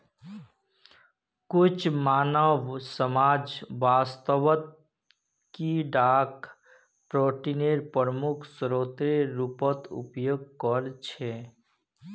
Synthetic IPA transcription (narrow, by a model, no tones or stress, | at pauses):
kʊt͡ʃʰmaːnəʋsəmaːd͡ʒːaːst̪əʋət̪̚ | kiɖaːk | pɾoːʈineɾpəɾəmukʰsɾoːt̪ɾeɾupət̪ṵpjoɡ̚kəɾt͡ʃʰe